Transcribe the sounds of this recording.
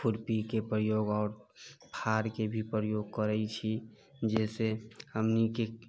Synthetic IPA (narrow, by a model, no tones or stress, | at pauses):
pʰuɾpikepɾəjoɡɔːɾpʰaɾkebʱipɾəjoɡ̚kəɾəit͡ʃʰi | d͡ʒɛsehəmnike